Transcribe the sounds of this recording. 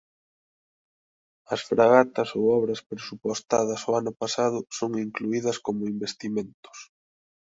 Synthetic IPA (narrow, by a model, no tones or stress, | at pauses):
ɐsfɾaɣat̪ɐsowɔβɾɐspɾesupost̪aðɐsoanʊpasaðʊsoŋiŋkluiðɐskomʊimbest̪imẽnt̪ʊ̥s